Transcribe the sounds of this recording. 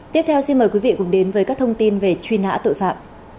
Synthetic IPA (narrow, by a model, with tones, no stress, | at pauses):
t̪i˦˥p̚t̪ʰɛ˧wsi˧nməː˨˩jkwi˨˦vḭ˧˨kʊ̰˧˥ŋ͡mɗe˨˦nvəː˨˦jkaː˦˥k̚t̪ʰə˧wŋ͡mt̪i˧nve˨˩t͡ɕwi˧na̰ː˧˥t̪o̰˧˨jfa̰ː˧˨mʔ